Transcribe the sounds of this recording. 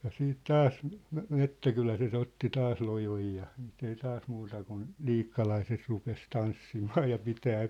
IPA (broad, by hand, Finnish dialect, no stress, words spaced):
jɑ siːt tɑːs me metːækylæset otːi tɑːs lojoj jɑ si̥ːt ei tɑːs muːtɑ kun liːkːɑlɑiset rupes tɑnsːimɑː jɑ pitæː